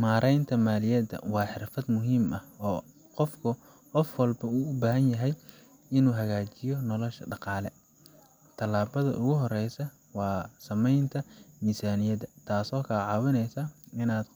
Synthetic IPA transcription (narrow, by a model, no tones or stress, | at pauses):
maːɾʔɛjnt̪ʰɐmaːlɪjɐd̪ɐ̰wɑːħɪrfɐd̪mʊɦiːmɐhɔː | qɔfkʰʊ | qɔfwɑlbɐuːʊbaːɦɐnjɐɦɛj | ɪnuːɦɐɣaːt͡ʃɪjɔnɔlɔʃɐ̰ɖɑqɑːlɛ | t̪ʰɐlaːβɐðɐ̰ʔʊɣʊɦɔrɛjsɐ | wɑːsɐmɛjnt̪ʰɐnisaːnɪjɐd̪ɐt̪ʰaːsɔːkʰɐlɐʕɑːwɪnɛjsɐɪnaːd̪